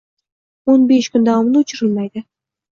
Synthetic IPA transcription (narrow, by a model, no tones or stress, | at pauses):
onbeʃkʰʲʊnd̪ɑwɑmnʊt͡ʃʰɪɾɪlmajd̪ɪ